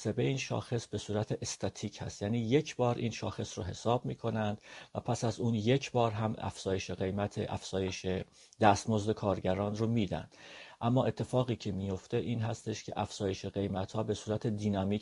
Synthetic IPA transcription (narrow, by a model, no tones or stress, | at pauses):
se̞beiːnʃɒ̰ːxe̞sbe̞suːɾæt̪ʰeʔest̪ʰæt̪ʰiːcʰhæ̰st̪jæːniːje̞cʰbɒːɾʔiːnʃɒːxe̞sroɦe̞sɒːbmiːkʰo̞nænd̪̥væpʰæsæzuːnje̞cʰbɒːɾɦæmæ̰fz̥ɒːje̞ʃe̞ɣe̞jmæt̪ʰeʔæ̰fz̥ɒːje̞ʃe | d̪æst̪mo̞zd̪e̞kʰɒːɾɟæɾɒːnromiːd̪æ̰nd̥̪ʔæmːɒːe̞t̪ʰːe̞fɒːɣiːcʰe̞mijo̞ft̪e̞ʔiːnɦæst̪e̞ʃcʰe̞̰ʔæfz̥ɒːje̞ʃeɣe̞jmæt̪hɒːbe̞suːɾæt̪ʰe̞d̪iːnɒmiː